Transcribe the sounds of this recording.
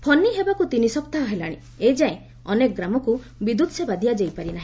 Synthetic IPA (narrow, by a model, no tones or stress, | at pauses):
pʰɔnːiɦebakut̪inisɔpt̪aɦaɦelaɽ̃ḭ̃ | ed͡ʒaẽ | ɔnekɔɡɾamɔku | bid̪ʱut̪sebad̪ijad͡ʒejpaɾinaɦĩ